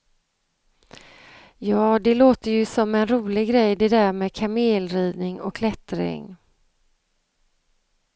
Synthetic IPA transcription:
jɑːd̪ɛloːt̪əjɵsɔmːɛnɾuːlɪɡɡɾɛjːd̪ɛd̪æːɾmɛːkʰameːlɾiːvnɪŋɔ̰kʰːlɛt̪ɾɪ̰ŋ

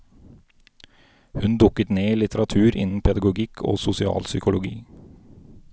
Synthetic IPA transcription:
hʉnd̪ʊkət̪neːilɪt̪əɾɑt̪ʰʉːɾʔɪ̰nn̩pʰɛd̪ɑɡʊɡɪkʰo̰ːsʊsɪɑ̰ːlsʏkʊlʊɡḭː

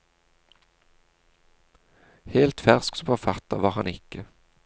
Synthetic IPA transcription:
heːlt̪fæʁsksɔpʰɑːfɑt̪ɑ̰ʋɑːʁhɑnɪkə

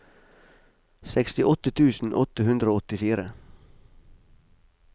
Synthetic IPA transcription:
sɛkst̪ɪʔɔt̪ət̪ʰʉːsn̩ʔɔt̪əhʉnd̪ɾəoːɔt̪ɪfiːɾə

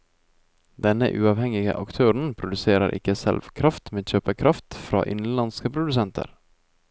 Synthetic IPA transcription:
d̪ɛnə̰ʔʉːɑːʋhɛŋɪɡə̰ʔɑkt̪ʰøːɾɳ̩pʰɾʊd̪ʉseːɾəɾʔɪ̰kəsɛ̰lʋkʰɾɑft̪meːçøːpəkʰɾɑft̪fɾɑ̰ːʔɪnlɑnskəpʰɾʊd̪ʉsɛnt̪ʰə̰ɾ

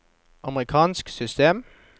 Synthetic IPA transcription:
ʔɑməʁɪkʰɑːnsksʏst̪eːm

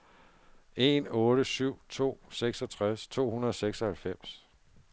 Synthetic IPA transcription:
e̝nɔ̽ːɾ̥əsyʊ̰t͡sʰo̝̰ːseɡ̥sɒ̽t͡sʰʁast͡sʰo̝̰ːhunɐðˠɒseɡ̥sɒhælfem̰s

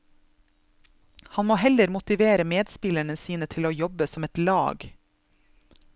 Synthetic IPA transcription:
hɑnmoːhɛləɾmʊt̪ɪʋeːɾəmeːd̪spɪlæɳəsiːnət̪ʰɪloːjɔbəsɔmɛt̪lɑːɡ

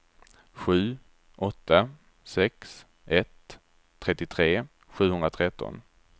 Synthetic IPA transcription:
ɧʉ̟ː | ʔɔt̪ːa | sɛks | ʔɛt̪ʰː | ɾɛt̪ːɪt̪ʰɾeː | ɧʉ̟ːhɵnd̪ɾat̪ʰɾɛt̪ːɔ̰n

